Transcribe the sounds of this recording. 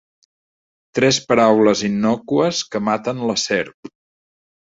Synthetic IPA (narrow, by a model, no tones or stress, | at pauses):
t̪ɾɛspəɾawləzinːɔkuəskəmat̪ənləsɛɾp